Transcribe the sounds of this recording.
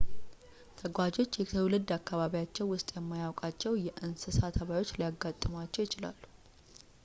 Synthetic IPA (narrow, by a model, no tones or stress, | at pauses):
t̪ʰəɡʷad͡ʒo̞t͡ʃːjɛəwlɨd̪ːakːaβaβijat͡ʃːɛwːʊst̪ʼjɛmːajawkʼat͡ʃːɛwjɛʔɨnsɨsat̪ʰəβajo̞t͡ʃːlijaɡːat̪ʼːɨmat͡ʃːɛwjɪt͡ʃɪla̰lːu̥